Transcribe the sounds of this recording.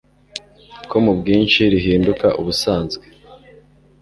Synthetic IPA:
kʰo̞mubɡiːnʃiɾiɦiːndukaʔuβusaːnzɡwe̥

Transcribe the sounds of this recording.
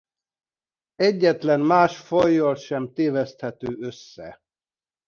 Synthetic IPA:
ɛɟːɛt̪lɛnmaːʃfojːolʃɛmt̪eːvɛst̪hɛt̪øːøsːɛ̰

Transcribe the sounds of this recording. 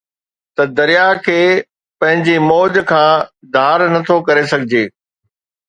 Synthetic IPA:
t̪ɐd̪ɐɾijakʰeː | pɐ̃ɦɪ̃ɲd͡ʑemɔːd͡ʑkʰãː | d̪ʱaːɾnɐt̪ʰokɐɾesɐɡʱɪd͡ʑeː

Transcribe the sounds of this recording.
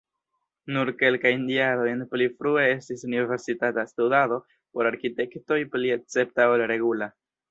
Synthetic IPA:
nuɾke̞lkajndialo̞jenplifɾue̞e̞stisunive̞ɾsitatastudado̞ | po̞ɾaɾkite̞kto̞jpliek̚t͡se̞p̚taolɾe̞ɡula

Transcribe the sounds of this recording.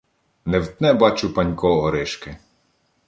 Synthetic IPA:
newt̪nɛbɑt͡ʃʊpɐnʲkɔɔɾɪʃkɪ

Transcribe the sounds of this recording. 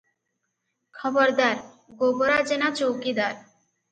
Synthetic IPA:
kʰɔboɾd̪aɾ | ɡoboɾad͡ʑenat͡ɕowkid̪aɾ

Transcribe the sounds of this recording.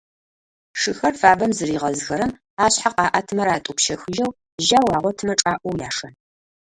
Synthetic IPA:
ʂɨxɐrfaːbɐmzɨriːʁɐzxɐɾɨm | aːɕħaqɑːʔɐtʰmɐɾaːtʼʊpʃɐxɨʒɐw | ʒaːwɑːʁʷɔtʰɨmɐʈ͡ʂʼaːʔʷɔwjaːʂɐn

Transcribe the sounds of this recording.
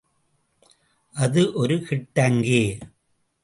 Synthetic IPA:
ʔɐðɯʔɔɾɯkɪʈːɐŋɡeː

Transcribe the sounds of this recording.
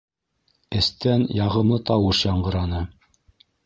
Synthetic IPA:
ɘ̆st̪ænjɑʁɤ̆mlˠɤt̪ɑwɤʃjɑɴɢɤ̆ɾɑnɤ

